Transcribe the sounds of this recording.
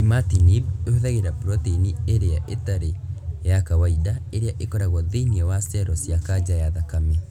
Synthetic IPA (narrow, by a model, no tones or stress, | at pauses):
imatinibehoðaɣeɾapɾɔtinieɾeaʔetaɾejakawaidaeɾeaʔekɔɾaɣɔðeiniɔwasɛɾɔsjakad͡ʑajaðakamɛ